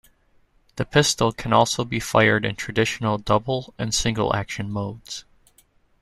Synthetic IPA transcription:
ðɨpʰɪstl̩ˠkʰɨ̃nɔlˠsoʊbifa̰ɪə˞ɾɨ̰̃ntʰɹ̥ɨdɪʃn̩l̩ˠdʌbl̩ˠɨ̃nsɪ̃ŋɡl̩ˠæ̰kʃɨ̃nmoʊdz̥

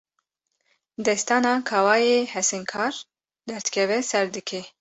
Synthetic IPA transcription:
d̪ɛst̪ɑːnɑːkʰɑːwɑːjeːhɛsɨŋkʰɑːɾ | d̪ɛɾt̪kʰɛvɛsɛɾd̪ɨkʰe

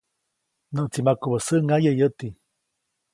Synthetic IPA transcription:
nəʔt͡simakuβəsəʔŋajəiət̪i

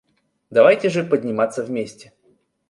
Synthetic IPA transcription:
d̪ɐvajtʲɪʐɨpədʲnʲɪmat̪səvmʲesʲtʲɪ

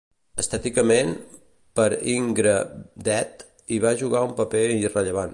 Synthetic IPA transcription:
əst̪ɛt̪ikəmen | pəɾiŋɡɾəd̪ɛt̪ | iβ̞aʒuɣaumpəpeirəʎəβan

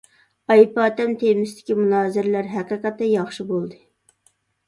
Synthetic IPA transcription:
ɑjpɑːt̪ɛmt̪ʰemɪst̪ʰɪ̥kʲimunɑːzɪɾɪlæɾɦæqəqɛt̪ːɛjɑχʃɨbolˠd̪ɨ

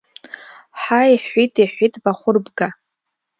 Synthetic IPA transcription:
ħaiħitʰʼiħʷitʼbaχʷʊrbɡa

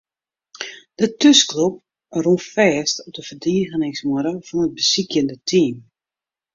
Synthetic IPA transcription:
d̥ətøsklop̚ | rufɛːstɔp̚dəvərdiːɣənɪŋsmɔɾəfɔnət̚bəsikjəndətʰiːm

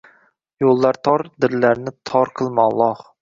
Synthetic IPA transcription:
jolˠːaɾt̪ʰɒɾd̪ɪɾlaɾnɪt̪ʰɒɾqʰɨlˠmɑlˠɑh

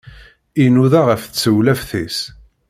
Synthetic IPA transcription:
inuðaʁəfθət͡sːəwlæfθis

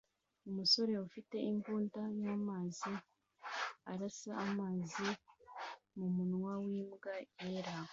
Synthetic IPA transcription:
umuso̞ɾe̞ufite̞iŋɡuːndajaːmaːzi | aɾasaːmaːzi | mumunŋwawiːmɡajeɾao

